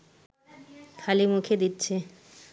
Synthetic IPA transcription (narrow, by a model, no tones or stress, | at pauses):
t̪ʰalimukʰed̪itːɕʰe